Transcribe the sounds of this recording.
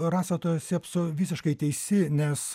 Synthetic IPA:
rɑːsɐt̪oːjɛsʲiɛpsʊʋʲiːsʲɪʃkɐɪt̪ʲɛɪsʲɪnʲɛs

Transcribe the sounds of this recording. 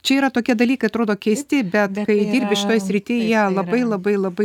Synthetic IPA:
t͡ʃʲɛiːɾɐt̪oːkʲiɛd̪ɐlʲiːkɐɪɐt̪ɾoːd̪oːkʲɛːsʲt̪ʲɪbʲɛt̪kɐɪd̪ʲiːɾʲbʲɪʃʲɪt̪oːjsʲɾʲɪt̪ʲɪjiɛlˠɐbɐɪlˠɐbɐɪlˠɐbɐɪ

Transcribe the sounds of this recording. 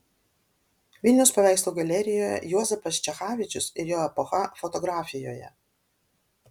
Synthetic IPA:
ʋʲɪlʲnʲɛʊspɐʋʲæˑɪslˠuːɡɐlʲɛɾʲɪjoːjɛ̰juɔzʲɛpɐst͡ʃʲɛxɑːʋʲɪt͡ʃʲʊsɪɾjoːɛpɔxɐfɔt̪ɔɡɾɑːfʲɪjoːjɛ̰

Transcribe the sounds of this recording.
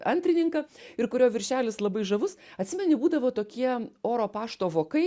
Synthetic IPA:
ɐnʲt̪ʲɾʲɪnʲɪŋkɐɪɾkʊɾʲoːʋʲɪɾʲʃʲæːlʲɪslˠɐbɐɪʒɐʋʊsɐtʲsʲɪmʲɛnʲɪbuːd̪ɐʋoːt̪oːkʲiɛoːɾoːpɑːʃt̪oːʋoːkɐɪ

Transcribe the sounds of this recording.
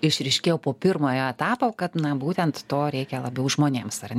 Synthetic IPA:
ɪʃɾʲɛɪʃʲkʲeːjoːpoːpʲɪrmoːjoːɛt̪ɑːpoːkɐt̪nɐbuːt̪ʲɛnt̪t̪oːɾʲɛɪkʲɛlˠɐbʲɛʊʒmoːnʲeːmsɐrnʲ

